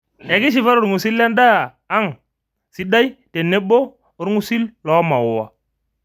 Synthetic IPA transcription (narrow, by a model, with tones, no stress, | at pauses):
e˨ki˦ʃ̬i˨fa˦ɾu˨ɾŋu˨si˦la˦nda˦˨ | a˦ŋ | si˦da˦i˦te˨nːe˦bo˦ | o˦ɾŋu˦si˦llo˨˦ma˨wo˨wa˨